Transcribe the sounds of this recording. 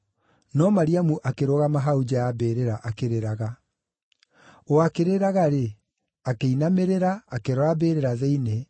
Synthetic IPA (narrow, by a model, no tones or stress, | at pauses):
nɔmaɾiamuʔakeɾoɣamaɦaud͡ʑajabeːɾeɾaʔakeɾeɾaɣa | oakeɾeɾaɣaɾe | akeinameɾeɾaːkeɾɔabeːɾeɾaðeine